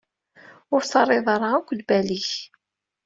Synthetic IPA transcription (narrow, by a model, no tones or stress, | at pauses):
ʊɾθɑrˤːɪðˤɑɾˤɑækʷːlbæliç